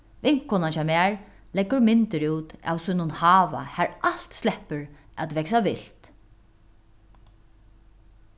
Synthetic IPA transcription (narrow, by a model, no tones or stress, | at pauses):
vɪŋ̥kkʰːʊnanʃamæːɹ | lɛɡʊɹmɪnt̪əɹuːt̪a̰wsʊjnʊnhɑːʋa̰hæɹʔal̥t̪slɛhpəɹ | æ̰t̪vɛksavɪl̥t̪